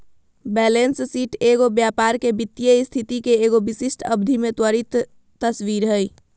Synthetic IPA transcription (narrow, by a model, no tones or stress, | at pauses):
bɛːlenssiːʈeːɡobjaːpaːɾkebɪt̪ːijeɪst̪ʰit̪ikeeːɡobɪsɪsʈʰəbd̪ʱimẽt̪wəɾit̪ː | əswiːɾɦəi